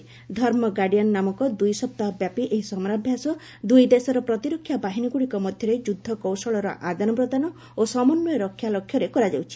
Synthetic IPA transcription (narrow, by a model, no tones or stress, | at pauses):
d̪ʱɔɾmɔɡaɽijanːamɔkɔd̪ujsɔp̚t̪aɦɔbjapiʔeɦisɔmɾabʱjasɔ | d̪ujd̪esɔɾɔpɾɔt̪iɾɔkʰːjabaɦiniɡuɽikɔmɔd̪ʱjɔɾed͡ʒud̪ʱːɔkɔwsɔɭɔɾɔʔad̪anɔpɾɔd̪anɔ | osɔmɔnːɔjɔɾɔkʰːjalɔkʰjɔɾekɔɾad͡ʒawt͡ʃʰi̥